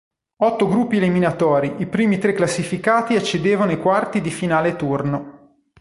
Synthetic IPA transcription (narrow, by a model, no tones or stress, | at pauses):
ɔt̪ːoɡɾupːieliminat̪ɔːɾiʔipɾiːmit̪ɾekːlasːifikaːt̪iat͡ʃːed̪eːvanoikwart̪id̪ifinaːlet̪urno